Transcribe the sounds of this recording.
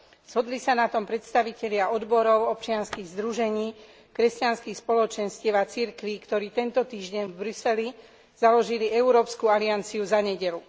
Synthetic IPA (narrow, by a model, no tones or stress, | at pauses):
z̥ɦɔd̪lisanat̪ɔmpɾɛt̪st̪aʋicɛʎɪaʔɔd̪bɔɾɔʊɔp̚t͡ʃɪanskiɣzd̪ɾuʒɛɲiː | kɾɛscanskixspɔlɔt͡ʃɛnscɛʋat͡siɾkʋikt̪ɔɾiːt̪ɛnt̪ɔt̪iːʒɟɛɲvbɾusɛli | z̥alɔʒiliɛuɾɔːpskualiant͡siuzaɲɛɟɛlu